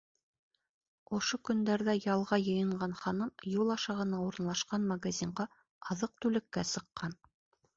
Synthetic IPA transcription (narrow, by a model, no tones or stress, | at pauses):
ŏʃokɵ̆nd̪æɾðæjɑlˠʁɑjɤ̆jɤ̆ɴɢɑnχɑnɤmjulˠɑʃɑʁɤ̆nɑuɾɤ̆nlˠɑʃqɑnmɐɡazʲiɴɢɑ | ɑðɤq̚t̪ʉlɘ̆kːæsɤ̆qːɑn